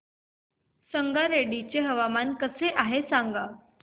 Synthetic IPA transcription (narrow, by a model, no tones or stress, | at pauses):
səŋɡaɾeɽit͡ɕeɦəʋamankəseʔaɦesãŋɡa